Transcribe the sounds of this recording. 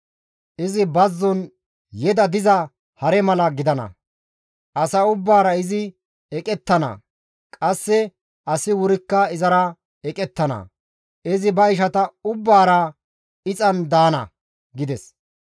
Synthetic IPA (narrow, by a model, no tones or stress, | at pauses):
ʔɪzɪbɐzːɔn | jɛd̪ɐd̪ɪzɐ | hɐɾɛmɐlɐɡɪd̪ɐnɐ̰ | ʔɐsɐʊbːaːɾɐɪzɪ | ɛkʼɛt̪ːɐnɐ̰ | kʼɐsːɛ | ɐsɪwʊɾɪkːɐɪzɐɾɐ | ɛkʼɛt̪ːɐnɐ̰ | ɪzɪbɐɪʃ̬ɐt̪ɐʊbːaːɾɐ | ɪt͡sʼɐnd̪aːnɐ̰ | ɡɪd̪ɛs